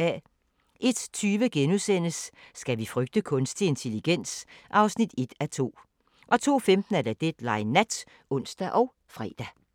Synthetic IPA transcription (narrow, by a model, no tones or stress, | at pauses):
æ | ʔe̝d̥t͡sʰyːʋəɡ̥enusen̰əsːɡ̥æʋifʁœɡ̥̚d̥əkʰɔ̽nsd̥ie̝nt͡sʰe̝liɡ̥en̰sʔɑ̈ʊsnid̥e̝d̥æt͡sʰo̝̰ː | ʔɒ̽t͡sʰo̝̰ːfemd̥n̩æɐd̥æd̥ed̥lɑ̈ɪnæd̥ | ɔ̽n̰sd̥æʔɒ̽ʊ | fʁɛ̰ːd̥æ